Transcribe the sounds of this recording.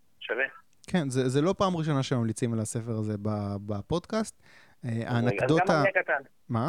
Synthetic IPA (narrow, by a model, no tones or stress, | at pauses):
ʃave | kʰenzezelo̞paːmʁiʃ̬o̞naʃemamlit͡simalase̞feʁaze̞babapo̞dkast̪ | eʔa̰nakdoakat̪an | ma